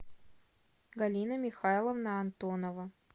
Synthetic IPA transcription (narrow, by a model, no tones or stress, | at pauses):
ɡɐlʲinəmʲɪxajlˠəvnəɐnt̪onəvə